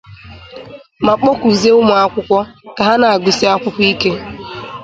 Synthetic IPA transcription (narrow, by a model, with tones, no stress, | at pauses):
ma˨k͡pɔ˦ku˨ze˦ʊ˦mʊ˨a˦kʷʊ˦kʷɔ˦ka˨ɦa˦na˨a˨ɡʊ˨si˦a˦kʷʊ˦kʷʊ˦i˦ke˦